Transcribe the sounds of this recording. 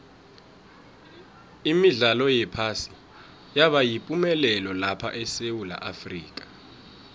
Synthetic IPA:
imiɮalɔjɛpʰasi̥ | jaɓajipʼumɛlɛlɔlapʰa̰ʔɛsewula̰ʔafrḭːkʼḁ

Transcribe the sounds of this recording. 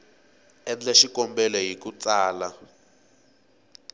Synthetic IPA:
ɛnd͡ɮɛʃikɔmbɛlɔɦikut͡saːla

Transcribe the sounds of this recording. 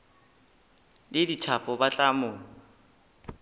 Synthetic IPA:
lɪditʰapʼɔbat͡ɬʼamʊːŋ̩

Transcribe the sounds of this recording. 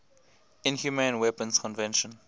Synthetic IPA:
ɪ̃nhjumẽnwɛpə̃nskʰɔ̃nvɛ̃nʃə̃n

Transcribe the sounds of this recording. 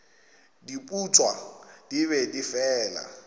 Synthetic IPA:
dipʼut͡sʼwad̥iβɛdifɛːla̰

